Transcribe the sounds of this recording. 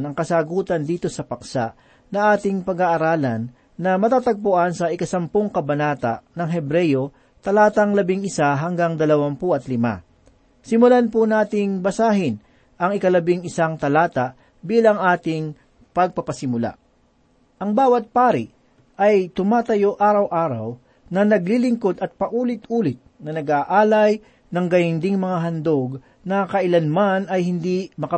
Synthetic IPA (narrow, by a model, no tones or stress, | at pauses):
nɐŋkɐsaːɡuːt̪ɐnd̪iːt̪o̞sɐpɐksaʔ | nɐŋʔaːt̪ɪŋpɐɡaʔːɾaːlɐnː | ɐmɐt̪aːt̪ɐɡ̚pʊʔansɐʔɪkɐsɐmpoŋkɐbɐnaːt̪a̰ʔnɐŋɦɛbɾɛjo | t̪ɐlaːt̪ɐŋlɐbɪŋɪsaɦɐŋɡaŋd̪ɐlɐwampʊʔɐt̪lɪma̰ | sɪmʊlanpʊnaːt̪ɪŋbɐsaːɦɪn | ʔɐŋɪkɐlɐbɪŋɪsaŋt̪ɐlaːt̪ɐʔ | biːlɐŋʔaːt̪ɪŋ | pɐɡ̚pɐpɐsɪmʊla̰ | ʔɐŋbaːwɐt̪̚paːɾɪʔ | ʔɐjt̪ʊmaːt̪ɐjo̞ʔaːɾɐwʔaːɾɐ̰w | nɐnɐɡlilɪŋko̞d̪ɐt̪̚pɐʔuːlɪt̪ʔuːlɪt̪̚nɐnɐɡaʔaːlɐj | nɐŋɡɐjʊnd̪ɪŋmɐŋaɦɐnd̪oɡ | nɐkɐʔɪlanmanɐjhɪnd̪imɐkɐ